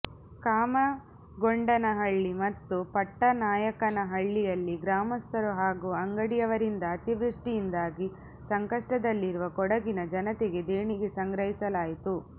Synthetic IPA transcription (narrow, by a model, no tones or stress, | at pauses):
kaːmɐ | ɡoɳɖɐnɐɦɐɭːimɐt̪ːupɐʈːɐnaːjɐkɐnɐɦɐɭːijɐlːiɡɾaːmɐst̪ʰɐɾuɦaːɡuːɐŋɡɐɽijɐʋɐɾind̪ɐːt̪iʋɾuʂʈijind̪aːɡi | sɐŋkɐʂʈɐd̪ɐlːiɾuʋɐkɔɽɐɡinɐd͡ʒɐnɐt̪ɛɡe̞d̪eːɳiɡesɐŋɡɾɐɦisɐlaːjit̪u